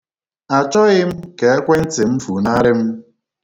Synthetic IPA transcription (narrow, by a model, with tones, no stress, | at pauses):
a˨t͡ʃɔ˦ɣɪ˦m̩˦ke˨a˦kʷe˦n̩˦tɪ˨m̩˦fu˨na˦ɾɪ˦m̩˦